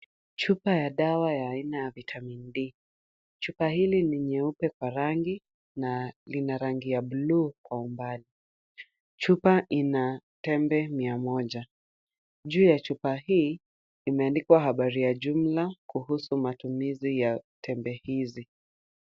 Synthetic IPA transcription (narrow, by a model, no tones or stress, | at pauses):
t͡ʃupajaɗawajaːinajavitʰamindi | t͡ʃupahiliniɲɛupɛkwaɾaŋɡi | nalinaɾaŋɡijaɓluːkwaumbali | t͡ʃupaʔinatɛmbɛmiamɔʄa | ʄuːjat͡ʃupaɦiː | imɛandikwaɦaɓaɾijaʄum̩lakuhusumatumizijatʰɛmbɛhizi